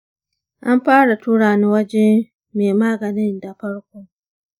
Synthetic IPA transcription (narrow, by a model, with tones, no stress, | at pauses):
ʔa˦mɸaː˦ɽa˨tu˦ɽaː˨ni˦wɐ˦d͡ʒɛ˦m | meː˨maː˦ɡɐ˨nɪ˦nda˨ɸɐ˦ɽkʷoː˦